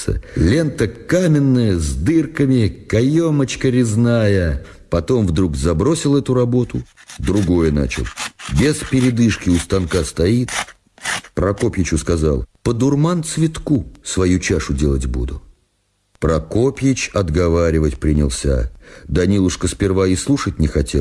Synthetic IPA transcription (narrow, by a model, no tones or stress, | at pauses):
ə̰lʲe̞nt̪əkamʲɪnːəjəzd̪ɨrkəmʲɪkɐjo̞mət͡ɕkəɾʲɪznajə | pɐt̪o̞mvd̪ɾuɡzɐbɾo̞sʲɪlˠɛt̪ʊɾɐbo̞t̪ʊd̪ɾʊɡo̞jəna̰t͡ɕɪ̰lˠbʲespʲɪɾʲɪd̪ɨʂkʲɪʊst̪ɐnkast̪ɐit̪ | pɾɐkopʲjɪt͡ɕʊskɐza̰lˠpəd̪ʊrmant̪svʲɪt̪kusvɐjut͡ɕaʂʊdʲelˠətʲbṵd̪ʊ | pɾɐko̞pʲjɪt͡ɕɐd̪ɡɐvaɾʲɪvətʲpɾʲɪnʲɪlˠsʲa̰d̪ɐnʲilˠʊʂkəspʲɪrvaɪslˠuʂətʲnʲɪxɐtʲelˠ